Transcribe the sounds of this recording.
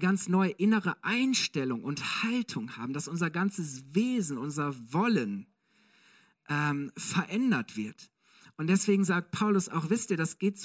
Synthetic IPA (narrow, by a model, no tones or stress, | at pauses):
ɡant͡snɔʏəʔɪnəʁəʔaɪnʃtɛlʊŋʔʊnthaltʰʊŋha̰ːbm̩d̥asʔʊnzɐɡant͡səsveːzn̩ʔʊnzɐvɔlən | ʔɛːmfɛɐʔɛndɐtv̥ɪɐt | ʔʊnt̚d̥ɛsv̥eːɡŋ̩zaːk̚t̚pʰaʊlʊsa̰ʊxv̥ɪstiːɐdasɡ̥eːtz